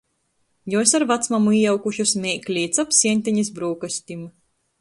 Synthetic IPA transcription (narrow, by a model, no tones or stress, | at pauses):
jɔsaɾvat̪smamuijawkuʃusmʲɛklʲiːt̪sapsʲiɛnʲt̪ʲiɲis̬bɾuːkasʲt̪ʲim